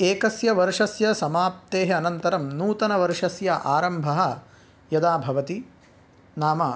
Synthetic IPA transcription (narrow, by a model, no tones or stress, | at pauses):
eːkɐsjɐʋɐɾʂɐsjɐsɐmaːp̚t̪eːɦɐɐnɐnt̪ɐɾɐmnuːt̪ɐnɐʋɐɾʂɐsjɐʔaːɾɐmbʱɐɦɐ̆ | jɐd̪aːbʱɐʋɐt̪i | naːmaː